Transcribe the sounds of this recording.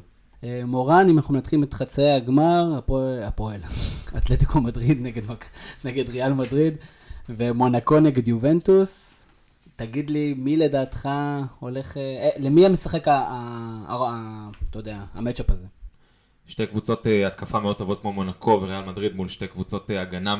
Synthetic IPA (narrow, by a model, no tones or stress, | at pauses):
emo̞ʁanimanaχnumenot̪χimet̪χat͡seaɡmaʁaapoela̰t̪let̪ikʰomadʁid̪neɡedmaneɡedʁealmadʁid | vemonako̞neɡe̞djuve̞ntus | taɡid̪limile̞daːt̪χao̞le̞χelemiamesaχe̞ka | t̪ojod̪eaːmet͡ʃopaze | ʃte̞jkvut͡so̞teat̪kafameod̚t̪ovo̞t̪̚kmomo̞nakʰo̞veʁealmadʁid̪mulʃte̞jkvut͡so̞teaɡana